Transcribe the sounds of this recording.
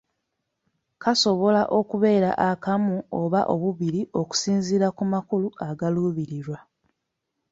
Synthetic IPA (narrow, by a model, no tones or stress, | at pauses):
kaso̞βo̞laʔo̞kuβe̞ːɾa̰ʔakamuoβaʔo̞βuβiɾiʔo̞ku̥siːnziɾakumakuluaɡaluːβiɾiɾwa